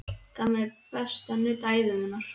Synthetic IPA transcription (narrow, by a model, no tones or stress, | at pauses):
k̪ʰamɛpɛst̪anʏt̪aːjvʏmɪnaɾ̥